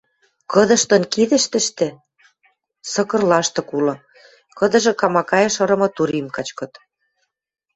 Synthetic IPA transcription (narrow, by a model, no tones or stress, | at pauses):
kɤ̆d̪ɤ̆ʃt̪ɤ̆nkiðɘ̆ʃt̪ə̆ʃt̪ĕ | sɤ̆kɤ̆rlɑʃt̪ɤ̆kulɤ̆ | kɤ̆d̪ɤ̆ʒɤ̆kɑmɑkɑjɤ̆ʃɤ̆ɾɤ̆mɤ̆t̪uɾimkɑt͡ɕkɤ̆t̪